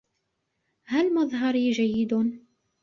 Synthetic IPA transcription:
halmɑðˤɦɑɾiːd͡ʒajːɪd̪

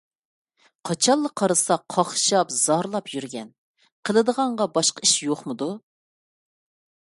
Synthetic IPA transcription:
qʰɑt͡ʃʰɑlˠːəqʰːɑɾɨsɑqʰɑχʃɑpz̥ɑɾlˠɑpʰjyɾɡʲɛn | qʰəlˠɨd̪əʁɑɴʁɑbɑʃqɑiʃjoχmɨd̪u

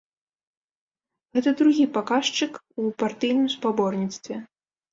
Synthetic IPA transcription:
ɣɛt̪ɐd̪ɾuɣʲipakaʂt͡ʂɨk | upart̪ɨjnɨmspabɔrnʲit̪st̪vʲɛ

